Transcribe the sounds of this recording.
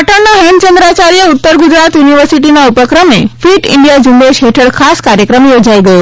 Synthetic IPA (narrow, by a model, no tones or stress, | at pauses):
ʈəɳnaɦɛɳt͡ʃə̃nd̪ɾat͡ʃaɾijəut̪ːəɾɡud͡ʒɾat̪juniʋəɾsiʈinaupəkɾəmefiʈɪ̰ɳɖijad͡ʒumbeʃɦeʈʰəɭkʰaskaɾjəkɾəmjod͡ʒaiɡəjo